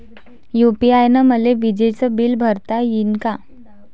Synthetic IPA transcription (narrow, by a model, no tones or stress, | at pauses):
jupiajnəməleʋid͡ʑet͡səbilbʱəɾt̪ajinka